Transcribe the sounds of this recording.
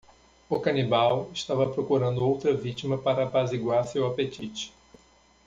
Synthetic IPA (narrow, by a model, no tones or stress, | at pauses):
ʊkɐnibawɪʃt̪avɐpɾokuɾɐ̃nd̪ʊowt̪ɾɐvit͡ʃimɐpaɾɐpaziɡwaɾsewapet͡ʃit͡ʃɪ̥